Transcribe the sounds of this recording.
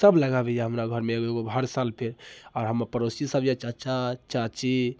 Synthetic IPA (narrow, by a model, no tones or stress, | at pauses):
səbləɡabejaɦəmɾaɡʱəɾmeɡoeɡoɦəɾsalpʰeɾɔɾɦəməɾpəɾosisəbjat͡ʃat͡ʃat͡ʃat͡ʃe